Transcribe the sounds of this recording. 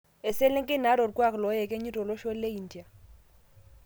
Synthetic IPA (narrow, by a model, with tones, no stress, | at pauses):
ɪ˨se˦lɪ˦ŋkʼɪ˦na˨˦ɾo˨rkʼwa˦klɔ˨˦jɛ˨kʼe˦ɲi˦tʼɔ˨lo˦ʃo˦lle˦i˨n̩˨di˨a˨